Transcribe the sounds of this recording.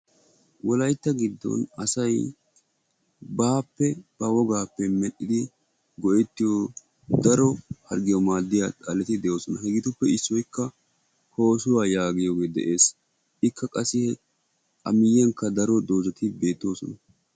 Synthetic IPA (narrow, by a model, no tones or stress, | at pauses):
wɔlɐjt̪ːɐɡɪd̪ːɔ̰nɐsɐj | baːpːɛb̥ɐwɔɡaːpːɛmɛɗɪd̪ɪ | ɡɔʔɛt̪ːɪjo | d̪ɐɾɔhɐɾɡɪjɔmaːd̪ːɪjaːt̪ʼɐlːɛt̪ɪd̪ɛjo̞ːsɔnɐhɛɡɪt̪ʊpːɛɪsːɔjkːɐ | ho̞ːsʊwaːjaːɡɪjoːɡe̞ːd̪ɛ̰ʔe̞ːs | ʔɪkːɐkʼɐsɪhɛ | ʔɐmɪjɛŋkːɐd̪ɐɾɔd̪oːzɛt̪ɪbe̞ːt̪ːo̞ːsɔ̰nɐ